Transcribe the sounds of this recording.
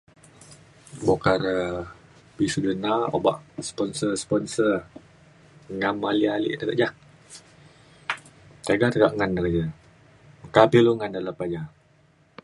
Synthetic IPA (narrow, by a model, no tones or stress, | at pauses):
bokaɾə | pisudənao̰ba̰ʔspɔnsəspɔnsər | ŋamalialḭʔt̪əɡaʔd͡ʒa | t̪aɡat̪əɡaʔŋanːəɡəd͡ʒə | mkapiluŋandaləpad͡ʒa